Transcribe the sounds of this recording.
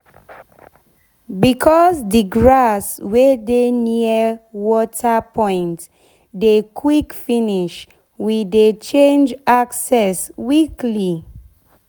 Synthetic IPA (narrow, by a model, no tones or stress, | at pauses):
bikʰɔzdiɡɹaswedeniəwɔtʰapɔ̃ɪ̃nt | dekʰwikfiniʃ | widet͡ʃẽnd͡ʒaksɛswikli